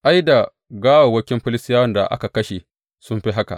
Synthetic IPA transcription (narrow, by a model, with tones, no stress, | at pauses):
ʔa˦jda˨ | ɡaː˦wa˨wɐ˦kʲɪ˦mɸɪ˦lɪ˦stɪ˦jaː˦wɐ˦nda̰˨ʔa̰˦ka˨kɐ˦ʃe˨ | sʊ˦mɸi˦ɦa˦ka̰˨ʔ